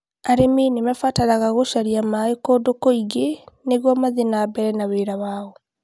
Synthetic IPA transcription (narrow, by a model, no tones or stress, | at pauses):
aɾeminemafataɾaɣaɣoʃaɾiamaekodokoiɡeneɣwɔmaðenabɛɾɛnaβeɾaβaːɔ